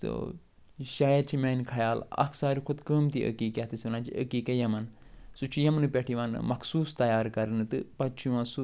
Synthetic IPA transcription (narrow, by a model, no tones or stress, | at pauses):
t̪ɨ̰ | ʃaːjɐɾt͡ʃʰimeːnkʰɐjaːlɐ̰kʰsaːɾikʰud̪kəːmt̪iʔə̰kiːkʲat̪ɨsinãːt͡ʃʰiʔəkiːkɐjɐmɐnsut͡ʃʰujɐmnɨpʲeʈʰiʋan̰mɐkʰsuːst̪ɐjaːɾkɐɾɨnɨt̪ɨpɐt͡ʃʰuʋãːsu